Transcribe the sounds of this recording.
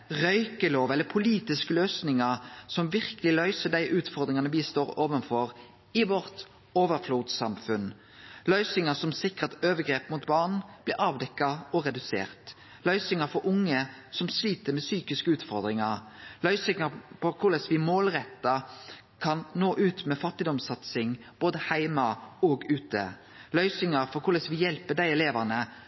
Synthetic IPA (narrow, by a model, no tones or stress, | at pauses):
ʁœʏkəloːʋɛlːəpʰʊliːt̪ɪskəløːsnɪŋɑɾsɔmʋɪʁkəlɪlœʏsəɖ̪æɪʔʉːt̪fɔʁd̪ɾɪŋɑnəʋɪst̪oːɾoːʋənfɔɾ | ɪʋɔɾt̪ | oːʋəɾfluːd̪sɑmfʉn | lœʏsɪŋɑsɔmsɪkːʁɑt̪øːʋəɡɾeːpmuːt̪bɑʁɳb̥lɪɾɑːʋd̪ɛkːɑɔʁɛd̪ʉsḛːʁt̪ | lœʏsɪŋəfɔɾʔʊŋːəsɔmsliːt̪əmɛsyːkɪskəʉːt̪fɔʁd̪ʁɪŋɑʁlœʏsɪŋɑpɔkʰʊʁlɛsʋɪmoːlʁɛt̪ːɑ | kʰɑnnoːʔʉːt̪mɛfɑt̪ːɪd̪ɔmsɑt̪sɪŋ | b̥oːd̪əhæɪmɑɔɡʉːt̪ə̰ | lœʏsɪŋɑʁfɔkʰʊʁlɛsʋɪjɛlpəd̪æɪɛleːʋæʁnə